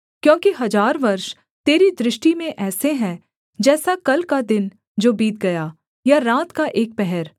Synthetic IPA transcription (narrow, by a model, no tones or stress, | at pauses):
kjõːkiɦɐzaːɾʋɐɾʃ | t̪eːɾid̪ɾɪʃʈimẽʔɛːseɦɛ̃ | d͡ʒɛːsakɐlkad̪ɪn | d͡ʒoːbiːt̪ɡɐjaː | jaɾaːt̪kaʔeːk̚pɛɦɛɾ